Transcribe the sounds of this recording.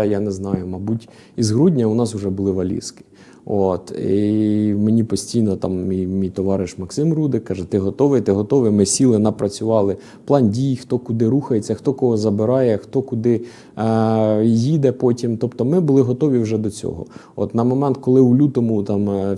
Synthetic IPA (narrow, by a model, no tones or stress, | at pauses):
janɛznɑjʊmɐbutʲ | izɦɾudʲnʲɐʊnɑsʊʒɛbʊlˠɪʋɐlʲḭskɪ̥ | ot̪imenʲipɔsʲtʲijnɔt̪ɑmʲijmʲijt̪ɔʋɑɾɪʃmɐksɪmɾud̪ɪkːɑʒɛt̪ɪɦɔt̪ɔʋɪt̪ɪɦɔt̪ɔʋɪmɪsʲilˠɪnɐpɾɐt͡sʲʊʋɑlˠɪ | plˠɑndʲijxt̪ɔkʊd̪ɪɾuxɐjet͡sʲːɐxt̪ɔkɔɦɔzɐbɪɾɑjɛxt̪ɔkʊd̪ɪ | jid̪ɛpɔtʲimt̪ɔpt̪ɔmɪbʊlˠɪɦɔt̪ɔʋʲiwʒɛd̪ɔt͡sʲɔ̰ɦɔ̰ | ɔ̰t̪nɐmɔmɛnt̪kɔlˠɪulʲut̪ɔmʊt̪ɑm